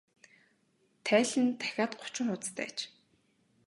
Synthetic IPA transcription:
t̪ʰæːɮɘ̆nt̪ʰæ̥xʲaːt̪ɢʊ̥t͡ɕɪ̆ŋχʊt͡st̪æ̰ːt͡ɕ

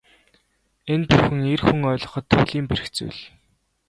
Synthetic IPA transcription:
enpuxɘ̆ŋerxuŋœːɮɞ̆χɞ̆t̪ʰːuɮiːmperɘ̆xt͡sṵːɮ

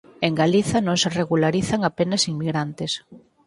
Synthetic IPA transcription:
eŋɡaliθɐnõŋsereɣulaɾiθaŋapenɐsiŋmiɣɾant̪ɪs

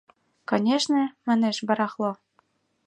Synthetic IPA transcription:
konʲeʃnɘ̆mæ̆neʃbɤ̆ɾɑχlˠo

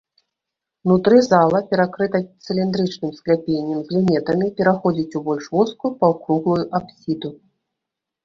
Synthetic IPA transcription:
nut̪ɾɨzalˠɐpʲɛɾakɾɨt̪ɐt̪sɨlʲind̪ɾɨt͡ʂnɨmsklʲapʲenʲːɛmzʲlʲinʲɛt̪ɐmʲipʲɛɾaxɔd͡zʲit͡sʲubɔlʲʂvuskupɐwkɾuɣlˠujuʔapsʲid̪u

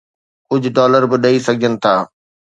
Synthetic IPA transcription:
kʊd͡ʑʱʊɖɔːləɾbɪɗɐisɐɡʱiənɪ̆t̪ʰaː

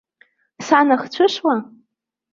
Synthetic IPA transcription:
sanaχt͡ɕʷʰɨʂwa

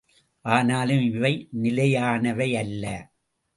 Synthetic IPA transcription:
ʔaːnaːlɯmɪʋɐɪnɪlɐjaːnɐʋɐɪɐlːɐ

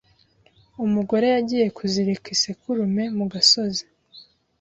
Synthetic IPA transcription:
umuɡo̞ɾe̞jaɟiːje̞kʰuziɾikisekuɾume̞muɡaso̞ze

